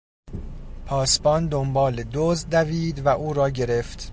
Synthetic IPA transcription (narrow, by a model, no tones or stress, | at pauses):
pʰɒːsbɒnd̪ombɒːled̪ozd̪d̪æviːd̪væʔuːɾɒːɟe̞ɾe̞ft̪